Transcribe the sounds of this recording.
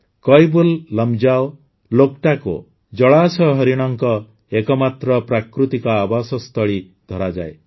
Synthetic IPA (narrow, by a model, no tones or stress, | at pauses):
kɔjbulːɔmd͡ʒaw | lok̚ʈakṵ | d͡ʒɔɭasɔɦɔɾiɽ̃ɔŋkɔ | ekɔmat̪ɾɔpɾakɾut̪ikɔabasɔst̪ʰɔɭi | d̪ʱɔɾad͡ʒa̰e